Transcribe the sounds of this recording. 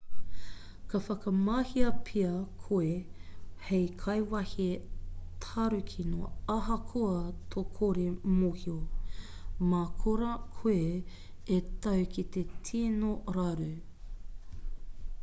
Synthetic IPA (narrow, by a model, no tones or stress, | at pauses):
kʰɐfɐkɐmahiɐpʰiɐkʰoehejkʰɐjwɐhitʰaɾʉkʰino̰ɐɦɐkʰoɐt̪ʰokʰoɾimohio | makʰoɾɐkʰoe | etɐwkit̪etʰiːnoɾaɾʉ